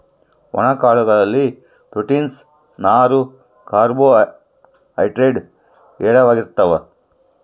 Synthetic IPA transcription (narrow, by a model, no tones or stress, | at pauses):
ʋɔ̰nɐkaːɭuɡɐɭɐlːi | bɾuʈins | naːɾu | kaːɾboː | ɐ̰jʈɾeːɖ | ɛːɽɐʋaːɡiɾt̪ːɐʋɐ